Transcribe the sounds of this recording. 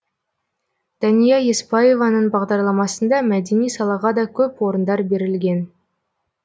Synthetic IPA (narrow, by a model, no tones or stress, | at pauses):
d̪̥ɑnijɑjespɑje̞vɑnəɴbɑʁd̪ɑɾlˠɑmɑsənd̪ɑmæd̪e̞nijsɑlˠɑʁɑd̪ɑkʲʰɵpwo̞ɾənd̪ɑɾbe̞ɾɪlɡʲe̞n